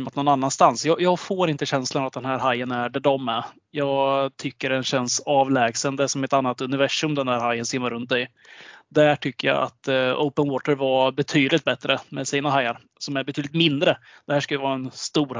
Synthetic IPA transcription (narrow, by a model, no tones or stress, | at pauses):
mat̪nɔnanːanst̪ansjɑːjɑːɡfoːɾɪnt̪əɕɛnslanavat̪̚d̪ɛnhæːɾɦajːənæɖæɖɔmːæɾ | jɑːɡt̪ʰʏkːəɖɛnɕɛnsɑːvlɛːɡsənd̪əsɔmɛt̪anːat̪ɵnɪvæʂɵmd̪ɛnd̪æːɾhajːənsɪmːaɾɵnt̪̚d̪ɛj | d̪æʈʰʏkːəja̰a̰t̪ə̰ʊpənwɔːt̪əɾvabɛt̪ʰyːd̪lɪt̪̚bɛt̪ɾəmɛsiːnaɦajːaɾ | sɔmæɾbɛt̪yːd̪lɪt̪mɪnd̪ɾə | d̪̥ɛhæːʂkajəvɑːɾaɛnst̪uːɾ